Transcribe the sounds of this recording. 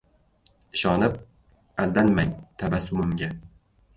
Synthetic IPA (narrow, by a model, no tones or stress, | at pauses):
ɪʃɒnɪp̚ | ald̪anmaŋt̪ʰabasʊmɪmɡʲa